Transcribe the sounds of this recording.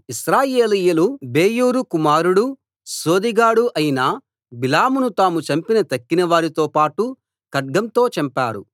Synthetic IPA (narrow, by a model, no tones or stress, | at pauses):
isɾaːjeːlijulube̞ːjuːɾukumaːɾuɽu | so̞ːd̪iɡaːɽuʔɐjinɐ | bilaːmunut̪aːmut͡ʃɐmpinɐt̪ɐkːinɐʋaːɾit̪o̞ːpaːʈu | kɐɖ̚ɡɐmt̪o̞ːt͡ʃɐmpa̰ːɾṵ